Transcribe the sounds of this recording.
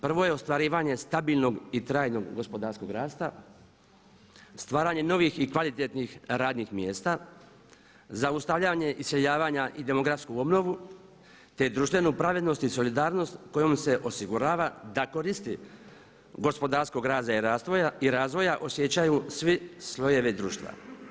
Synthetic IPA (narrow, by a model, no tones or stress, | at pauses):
pr̩ʋo̞je̞ost̪ʋaɾiːʋaɲe̞st̪abiːlˠno̞ɡit̪ɾaːjno̞ɡːo̞spo̞d̪aːɾsko̞ɡɾaːst̪a | st̪ʋaːɾaːɲe̞no̞ʋixikʋalit̪et̪nixɾaːd̪nixmjeːst̪a | zaust̪aʋʎaɲe̞ʔisjeʎaːʋaːɲaʔid̪e̞mo̞ɡɾafskuo̞bno̞ʋu | t̪e̞d̪ɾuʃt̪ʋe̞nupɾaʋed̪no̞st̪iso̞lid̪aːɾno̞st̪ko̞jo̞mse̞ʔo̞siɡuɾaːʋad̪ako̞ɾist̪i | ɡo̞spo̞d̪aːɾsko̞ɡɾaːzaiɾaːst̪ʋojaiɾaːzʋo̞jaʔo̞sje̞t͡ɕajusʋislˠo̞je̞ʋed̪ɾuːʃt̪ʋa̰